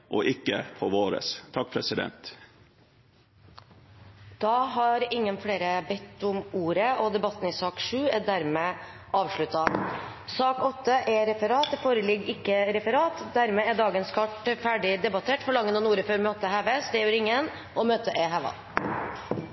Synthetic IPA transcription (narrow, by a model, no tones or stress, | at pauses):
ʔɔ̰ʔɪkːə̰pʰɔʋoːɾə̰st̪ʰɑkːpʰɾɛsɪd̪ɛ̰nt̪ | d̪̥ɑːɦɑɾɪŋːənfɽeːɾəbɛt̪ːʊmuːɾəʔɔd̪ɛbɑt̪ːn̩ɪsɑːkʂʉːɛɖ̪æɾmeːʔɑːʋʂɭʉt̪ɑ | sɑːkɔt̪ːəʔɛɾɛfəɾɑːt̪foːɾəlɪɡːɪkːəɾɛfəɾɑːt̪d̪æɾmɛːæɖɑːɡənskʰɑʈfæːɖɪd̪ɛbɑt̪ʰeːʈfɔɭɑŋːənɔnuːɾəføːɾmøːt̪əhɑʋest̪ɛːʉɾɪŋːən | ɔmøːt̪əʔeːɦɑʋɑ̰